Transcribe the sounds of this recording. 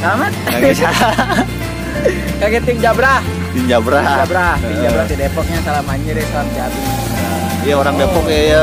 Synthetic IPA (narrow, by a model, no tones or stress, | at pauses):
saamat̪̚a | kaɡɛt̪ɪŋd͡ʒabɾa | t̪ɪŋd͡ʒabɾad͡ʒabɾat̪ɪŋd͡ʒabɾat̪idepɔk̚ɲasalamaɲɛɾɛsoand̪iadi | aa | ijaoɾaŋdepɔkjaja